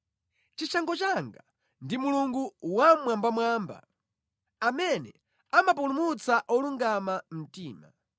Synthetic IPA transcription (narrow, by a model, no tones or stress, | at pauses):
t͡ʃit͡ʃaŋɡɔt͡ʃaŋɡa | ndimuluŋɡuwamwambamwaːmba̰ | amɛnɛ | amapulumut͡saʔɔluŋɡamam̩tiːma̰